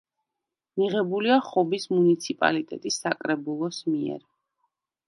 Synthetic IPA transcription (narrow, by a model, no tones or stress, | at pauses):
miʁɛbuliaχɔbismunit̪sʰipʼa̰lit̪ʼɛt̪ʼisːakʼɾɛbulˠɔsmiɛ̰ɾ